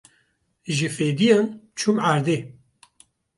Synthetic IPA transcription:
ʒɨfeːd̪ijant͡ʃʰumaːɾd̪eː

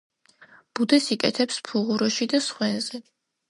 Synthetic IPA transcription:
b̥ud̪ɛsikʼɛ̰t̪ʰɛpspʰuʁuɾɔʃid̪asχwɛnz̥ɛ

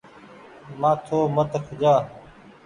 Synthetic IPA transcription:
mãːt̪ʰoːmət̪əkʰd͡ʒaː

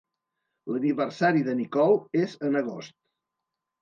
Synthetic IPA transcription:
ləniβəɾsaɾiðənikɔwezənəɣost̪

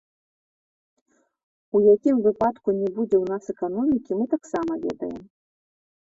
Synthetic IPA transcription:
ujakʲimvɨpat̪kunʲɛbud͡zʲɛwn̪asɛkan̪ɔmʲikʲimɨt̪aksamɐvʲɛ̰d̪ɐ̰jɛ̰m

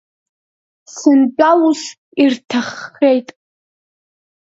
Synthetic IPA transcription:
sɨnpʷʼalus | irtʰaχːejtʼ

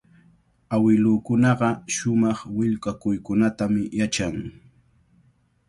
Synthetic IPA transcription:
awɪlʊːkʊnɑɢɑʃʊmɑχwɪʎkakʊjkʊnat̪amɪjat͡ʃaŋ

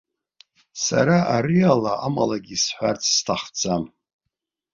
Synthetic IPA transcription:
sa̰ɾaʔaɾialaama̰laɡʲisħʷart͡sʰstʰaχd͡zʰam

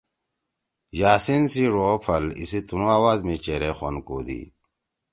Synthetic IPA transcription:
jaːsinsiɾoːpʰɐlḭsit̪unuaːwaːzmet͡ɕeɾexonkoːd̪ḭ

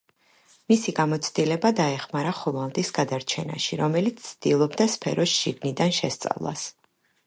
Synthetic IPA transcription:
misiɡamɔt̪sʰd̪ilɛbad̪aɛχmaɾaχɔvalˠd̪isɡad̪aɾt͡ʃʰɛna̰ʃiɾɔmɛlit̪sʰsʰd̪ilˠɔbd̪aspʰɛ̰ɾɔsʃiɡnid̪anʃɛst̪sʼa̰vlˠa̰s

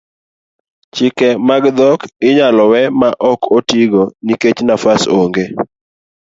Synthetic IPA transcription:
t͡ʃɪkɛmaɡd̪ɔkɪɲalɔwɛmaʔɔkʰotiɡoniket͡ʃnafasoŋɡe

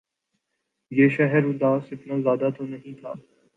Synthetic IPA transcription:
jeːʃɛɦɛɾũd̪aːsɪt̪naːzjaːd̪at̪ʰonɐɦĩt̪ʰa̰ː

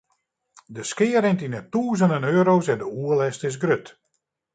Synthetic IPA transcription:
dəskɪːəɾɪntinətuːzəndənøːɾowsɛndəuəlɛstɪs̬ɡrøt

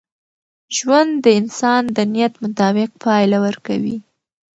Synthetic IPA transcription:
ʒwand̪dːəɪnsɑnd̪ənijat̪mʊt̪ɑbɪq̚pʰɑjlawəɾkawḭ

